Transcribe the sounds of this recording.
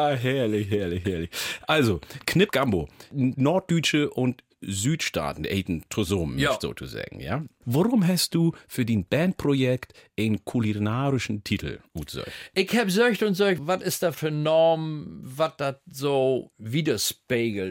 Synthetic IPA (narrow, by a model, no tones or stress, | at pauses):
aɦɛɐlɪçɦɛɐlɪçhɛɐlɪçʔalzokʰnɪpɡ̥ambo̰ːnɔɐt̚d̥yːt͡ʃəʔʊnt | zyːtʃta̰ːtn̩ʔɛ̰ɪtn̩tʰozoːmɛftz̥o̰ːtʰṵza̰ːɡŋ̩ja̰ːvaʁʊmɦast̚d̥uːfyːɐdiːnb̥ɛnt̚pʁ̥ojɛktʔaɪnnkʰulinaːʁɪʃn̩tʰitʰl̩ṵːtz̥œ̰çʔɪçhaːbzœçtʊntzɔçvatɪstd̥aːfyːɐnɔːmvat̚d̥atzoːviːdɐʃpeːɡl̩